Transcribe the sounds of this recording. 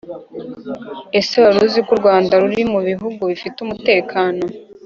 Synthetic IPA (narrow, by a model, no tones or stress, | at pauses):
e̞seβaɾuzikuɾɡwaːndaɾuɾimuβiɦuɡuβifitumute̞ːkʰaːno̞